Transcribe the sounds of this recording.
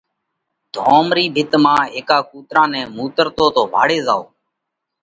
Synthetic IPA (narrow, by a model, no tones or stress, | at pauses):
d̪̥ʱoːmɾiːbʱɪt̪mãːeːkaːkuːt̪ɾãːnɛ̃ːmuːt̪əɾt̪oːt̪oːbʱa̰ːɽeːzaːo̰ː